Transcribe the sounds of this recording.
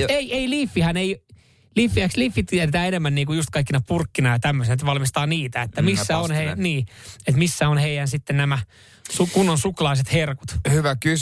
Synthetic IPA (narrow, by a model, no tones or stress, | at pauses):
eieiliːfːihænei | liːfːiækslifːit̪ierit̪æːenemːænːniːkujust̪kɑikːinɑpurkːinɑjɑt̪æmːøsinet̪ʋɑlmist̪ɑːniːt̪æet̪ːæmissːæonheiniːet̪misːæonheijænsit̪ːennæmæ | sukunːonsuklɑiset̪herku̥t̪hyʋæky